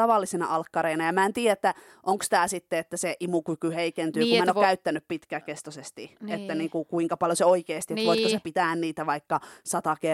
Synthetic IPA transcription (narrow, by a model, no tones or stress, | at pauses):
ɑʋɑlːisinɑ̰ʔɑlkːɑɾeinɑjɑmæent̪iːjæet̪ːæ | ʔoŋkst̪æːsit̪ːeet̪ːæseʔimukykyheikent̪yːkumæenːokæyt̪ːænyppit̪kækest̪osest̪iet̪ːæniːŋkukuiŋkɑpɑljoseoikeːst̪iet̪ʋoiskosepit̪æːnniːt̪æʋɑikːɑsɑt̪ɑke